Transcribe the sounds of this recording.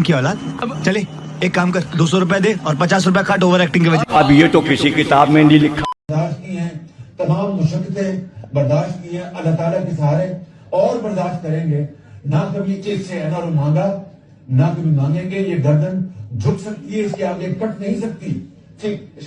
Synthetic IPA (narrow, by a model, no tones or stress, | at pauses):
kiɔːlaːd̪ɐbt͡ʃɐleː | eːkːaːmkɐɾd̪oːsɔɾʊpjad̪eːɔːɾpɐt͡ʃaːs̬ɾʊp̬jakʰɐʈoːʋəɾɛːk̚ʈɪ̃ŋɡkeʋɐd͡ʒɐbjet̪okɪsikɪt̪aːbmẽnĩlɪkʰːad̪aːʃt̪̚kiɦɛ̃ːt̪ɐmaːmːʊʃəkːət̪ẽbɐɾd̪aːʃt̪̚kiɦɛ̃ʔɐlːaːt̪aːlakesaːɾe | ɔːɾbɐɾd̪aːʃt̪̚kɐɾẽːŋɡeːnakɐbʱĩekseɛːnaːɾomãːŋɡaː | nakɐbʱĩmãːŋɡẽːŋɡejeːɡɐɾd̪ənd͡ʒʱʊksɐk̚t̪iɦɛɪskeaːɡeːkɐʈʰnɐɦĩsɐk̚t̪i | ʈʰiːk